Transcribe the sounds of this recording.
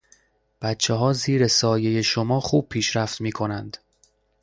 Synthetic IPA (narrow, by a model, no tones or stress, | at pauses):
b̥æt̪t͡ʃʰeɦɒːziːɾe̞sɒːje̞je̞ʃo̞mɒːxuːb̥̚pʰiːʃɾæft̪miːkʰo̞nænd̪̥